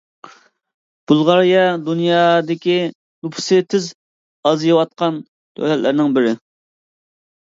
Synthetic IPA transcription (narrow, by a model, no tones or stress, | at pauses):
b̥ulˠʁɑɾjɑd̪unjɑːd̪ɪkʲi | nupʰsɨt̪ʰɪz | ɑzjɨwɑt̪̚qʰɑn | t̪ʰø̰hlɛllʔɪɾnɪŋbɪɾɪ